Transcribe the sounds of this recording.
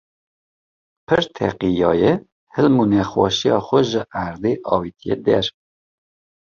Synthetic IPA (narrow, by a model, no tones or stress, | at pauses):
pʰɨɾt̪ʰɛ̰qijɑːjɛ | hɨlmunɛxwɑ̰ʃijɑːxʷɛʒəʔæɾd̪eʔɑːwit̪ʰijḛd̪ɛɾ